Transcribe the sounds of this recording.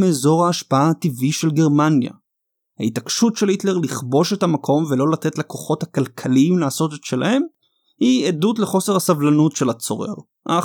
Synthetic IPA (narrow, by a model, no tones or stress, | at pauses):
meːzo̞ʁhaːʃpaaːt̪iviʃe̞lɡe̞ʁmanja̰ | ha̰itakʃutʃe̞litle̞ʁliχbo̞ʃetamakʰo̞mvelo̞lat̪e̞tlako̞χo̞thakalkʰaliimlaːso̞tetʃe̞lahe̞m | hiedutle̞χo̞se̞ʁhasavlanutʃe̞lat͡so̞̰ʁḛʁ | ʔa̰